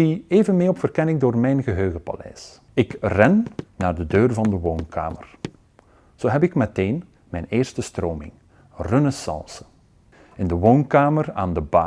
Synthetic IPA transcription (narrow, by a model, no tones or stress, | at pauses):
ieːvənmɪːɔpfərkɛnɪŋdoːrmɛjnɣəɦøːɣəpa̰lɛ̰js | ɪkrɛnːaːrdədøːrvɑndəʋoːnkʰa̰ːmə̰r | z̥oːɦɛpɪkmɛteːn | mɛjneːrstəstroːmɪ̰ŋ | rɵnəsɑ̰lˠsə̥ | ɪndəʋownkaːməra̰ːndəba̰